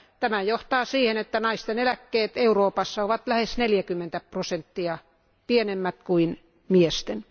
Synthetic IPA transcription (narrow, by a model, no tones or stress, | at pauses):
t̪æmæjoht̪ɑːsiːhenet̪ːænɑist̪enelækːeːt̪euroːpɑsːɑoʋɑt̪læhesneljækymːent̪æpprosent̪ːiɑ | pienemːæt̪kuin | miest̪en